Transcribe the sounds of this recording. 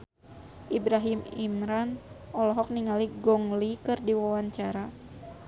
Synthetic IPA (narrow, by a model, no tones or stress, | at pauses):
ʔibɾaɦimimɾanʔɔlɔɦɔk̚niŋaliɡɔŋlikɨrdiwawaɲt͡ʃaɾa